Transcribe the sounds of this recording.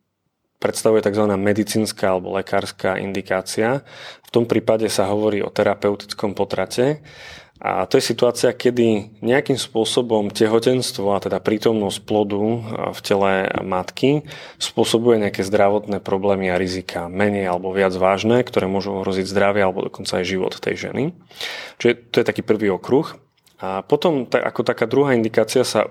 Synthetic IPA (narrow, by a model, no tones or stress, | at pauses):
pɾɛt̪st̪aʋujɛt̪aɡzʋanaːmɛd̪it͡siːnskaːalɛbɔ̰lɛkaːɾskaːʔḭnd̪ikaːt͡siaft̪ɔmpɾiːpaɟɛsaɦɔʋɔɾiːɔ̰t̪ɛɾapɛʊt̪i̥t͡skɔmpɔt̪ɾacɛ | a̰t̪ɔjɛsit̪uaːt͡siakɛd̪iɲɛakiːmspʊɔsɔbɔmcɛɦɔcɛnst̪ʋɔat̪ɛd̪apɾiːt̪ɔmnɔsc̚plɔd̪ufcɛlɛmat̪kispʊɔsɔbujɛɲɛakɛːzd̪ɾaʋɔt̪nɛːpɾɔblɛːmiaɾizikʰamɛɲɛjalɛbɔʋɪad͡zʋaːʒnɛːkt̪ɔɾɛːmʊɔʒuɔɦɾɔziɟzd̪ɾaʋɛalɛbɔd̪ɔkɔnt͡saːjʒiʋɔ̰t̪t̪ɛ̰jʒɛ̰nit͡ʃiɛt̪ɔjɛt̪akiːpr̩ʋiːɔkɾux | pɔt̪ɔmt̪aa̰kɔt̪akaːd̪ɾuɦaːind̪ikaːt͡siasa̰